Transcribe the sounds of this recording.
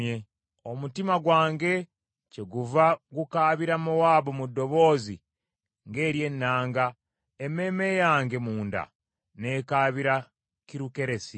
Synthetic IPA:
e | o̞mutimaɡwaːŋɡe̞ | ce̞ɡuvaɡukaːβiɾamowaːβomudːo̞βo̞ːzḭ | ŋɡe̞ːɾje̞nːaːŋɡa | eme̞ːme̞jaːŋɡe̞muːnda̰ | ne̞ːkaːβiɾa | ciɾuke̞ɾe̞si

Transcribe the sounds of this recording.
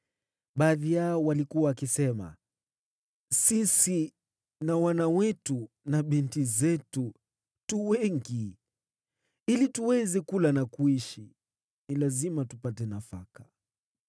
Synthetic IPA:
ɓaːðijaɔwalikuwaːkisɛma̰ | sisi | nawanawɛtu | naɓintizɛtu | tuwɛŋɡi | ilituwɛzɛkulanakuiʃi | nilazimatupatɛnafakḁ

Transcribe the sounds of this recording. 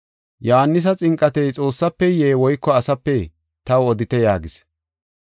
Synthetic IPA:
johɐnːɪs̬ɐt͡sʼɪŋkʼːɐt̪ɛjt͡sʼo̞ːsːɐpːɛjeːwɔjkːɔɐsɐpːɛ | t̪ɐwɔd̪ɪt̪ɛjaːɡɪs

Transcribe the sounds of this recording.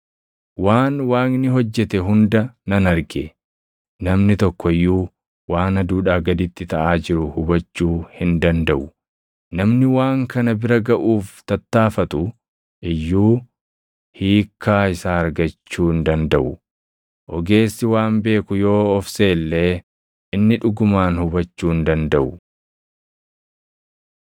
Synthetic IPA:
waːnwaːnnɪɦɔd͡ʒːɛt̪ɛɦʊnd̪ɐnɐnɐɾɡɛ | nɐmnɪt̪ɔkːɔɪjːuː | waːnɐd̪uːᶑaːɡɐd̪ɪt̪ːɪt̪ɐʔaːd͡ʒɪɾʊhʊbɐt͡ʃːuːhɪnd̪ɐnd̪ɐʔʊ | nɐmnɪwaːŋkɐnɐbɪɾɐɡɐʔuːft̪ɐt̪ːaːfɐt̪ʼʊ | ʔɪjːuː | hiːkʰːaːɪsaːɐɾɡɐt͡ʃːuːnd̪ɐnd̪ɐʔʊ | ʔɔɡe̞ːsːɪwaːmbe̞ːkʊjo̞ːɔfse̞ːlːe̞ː | ɪnːɪᶑʊɡʊmaːnhʊbɐt͡ʃːuːnd̪ɐnd̪ɐʔʊ

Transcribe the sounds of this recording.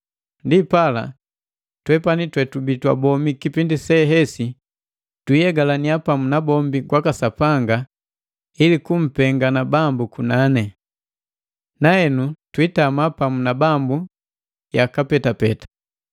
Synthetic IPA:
ndipala̰ | twɛpanitwɛtubitwabɔmikipindisɛɦɛsi | twijɛɡalaniapamunabɔmbiɡwakasapaŋɡa | ilikum̩pɛŋɡanabambukunanɛ | naɛnutwitamapamunabambu | jakapɛtapɛtḁ

